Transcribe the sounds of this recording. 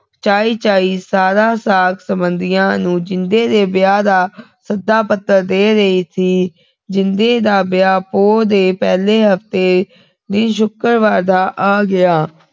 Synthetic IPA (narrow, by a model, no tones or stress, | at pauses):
t͡ʃaːiːt͡ʃaːiːsaːɾaːsaːksəmbənd̪ɪjãːnũːd͡ʒɪnd̪eːd̪eːbɪjaːd̪aːsəd̪aːpət̪ːəɾd̪eːɾəiːt̪ʰiː | d͡ʒɪnd̪eːd̪aːbjaːpoːd̪eːpɛːleːɦəft̪eː | d̪ɪnʃ̬ʊkəɾʋaːɾd̪aːʔaːɡɪaː